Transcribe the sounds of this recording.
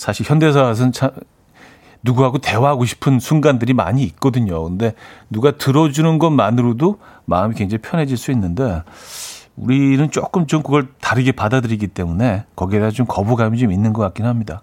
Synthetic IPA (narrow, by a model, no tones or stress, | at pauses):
sʰaɕʰiɭçjʌnde̞s̬ʰas̬ʰʌnt͡ɕʰa | nuɡuɦaɡote̞waɦaɡoɕʰi̥pʰɯnsʰunɡandɯɾima̰ɲiːt̚k͈ʌdɯɲokɯnde̞nuɡatɯɾʌd͡ʑunɯnɡʌnmanɯɾodomaɯmikweŋd͡ʑaŋipʰjʌne̞d͡ʑiɭs͈uinːɯnde̞ | uɾinɯnt͡ɕ͈ok͈ɯmt͡ɕomkɯɡʌɭtaɾɯɡepadadɯɾiɡit͈e̞mune̞kʌɡiedat͡ɕomkʌbuɡamjʌnt͡ɕominːɯnɡʌk͈ak͈inɯnɦamɲida